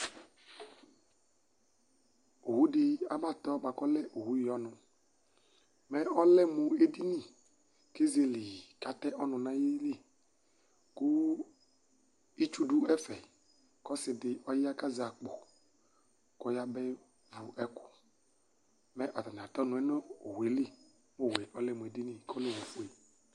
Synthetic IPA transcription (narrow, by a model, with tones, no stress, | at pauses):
o˨hu˦dɪ˨˦a˦ma˦˨t̪ɔ˦ma˨kɔ˦lɛ˦ʔo˨hu˦ji˨ɔ˦nʊ̃˨ | mɛ˦ɔ˦lɛ˦mu˨e˦di˦nĩ˦˨ | ke˦ze˦lɪ˨ka˨t̪ɛ˦ʔɔ˦nʊ̃˨nã˦ji˦le˦˨ | kʊ˦ | i˦t͡ʃu˦du˦ɛ˦fɛ˨ | kɔ˦sɪ˨dɪ˨ʔɔ˦jɪ˦a˦ka˦zɪ˨a˨k͡pɔ˨ | kɔ˦ja˦bɛ˦ | vu˨ʔɛ˦kʊ˨ | mɛ˦ʔɔ˨ta˨n˨a˨tɔ˦nʊ˨˦ɛ˦no˦o˨we˨li˦ | mo˦˨we˨ʔɔ˦lɛ˦˨mʊ˨e˨di˦ni˦˨kɔ˦le˦˨wu˨fu˦e˨